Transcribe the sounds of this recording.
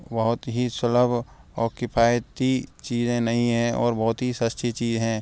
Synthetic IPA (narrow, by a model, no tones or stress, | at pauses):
bɐɦʊt̪ɦisʊləbʱ | ɔːɾkɪpʰaːjt̪it͡ʃiːzẽnɐɦĩɦɛ̃ʔɔ̰ːɾbɐɦʊt̪ɦisəst̪ʰit͡ʃiːzɦɛ̃ː